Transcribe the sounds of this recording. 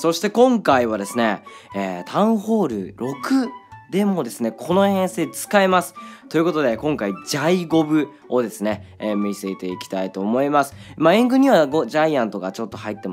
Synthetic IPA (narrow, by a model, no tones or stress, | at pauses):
so̞ɕi̥t̪e̞kõ̞ŋkaiβ̞ad̪e̞sɨne̞ː | t̪ʰãɰ̃ho̞ːɾɯ̟̰ɾo̞kɯ̟d̪e̞mo̞d̪e̞sɨne̞kʰo̞no̞hẽ̞ñse̞ːt͡sɨ̥kaemasɨ̥t̪o̞jiɯ̟ko̞t̪o̞d̪e̞kõ̞ŋkaid͡ʑaiɡo̞bɯ̟ | o̞d̪e̞sɨne̞miset̪e̞ikʲi̥t̪ait̪o̞ːmo̞imasɨ̥maẽŋɡɯ̟ɲ̟iβaɡoʑaiãnt̪o̞ɡat͡ɕo̞t̪ːohait̪ːe̞m